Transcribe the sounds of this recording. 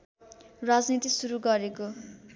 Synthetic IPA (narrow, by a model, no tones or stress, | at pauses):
rad͡znit̪isuɾuɡʌɾeko